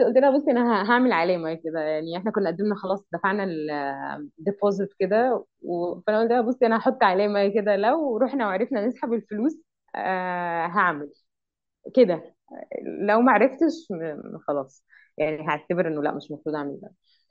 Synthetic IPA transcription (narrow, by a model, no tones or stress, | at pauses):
t̪ʔolt̪ʔnæhæbosˤːʔeænæɦæɦaʕmelʕaleːmæjked̪æjaʕniʔeħnækonːʔæd̪ːemnæxɑlɑːsˤd̪æfaʕnæl | d̪epozet̪ked̪æ | wefæʔænæʔolt̪ʔænæbosˤːʔænæhɑħot̪ˤːʕaleːmæjæked̪ælæwɾˤuːħnæweʕɾefnænesħabelfoluːs | ɦaʕmel | ked̪æ | læwmæʕaɾeft̪eʃxɑlɑːsˤ | jaʕniɦæʕt̪æbeɾʔenːolæ̰ʔmeʃmɑfɾˤuːd̪ʕaʕmelbæ̰